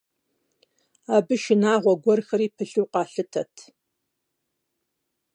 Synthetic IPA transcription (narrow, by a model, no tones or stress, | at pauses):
aːbɨʃɪnaːʁʷɔɡʷɔrxɐɾiːpʰɨɬuːqʼɑːɬɨtʰɐtʰ